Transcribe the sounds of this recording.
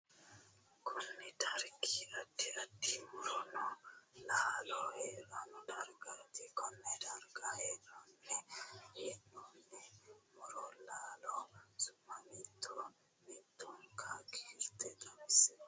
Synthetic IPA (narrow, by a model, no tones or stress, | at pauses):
kʰunːɛt̪ʰaɾkiadːiadːimuɾɔnɔlaːlɔɛlandaɾɡat̪ikɔnːɛdaɾɡaɛnɔnːɛhɛnɔnːɛmuɾɔlaːlɔsʊmːamit̪ʰːɔ | mit̪ːɔnkʰakʰi̥ɾt̪ɛt̪amisɛ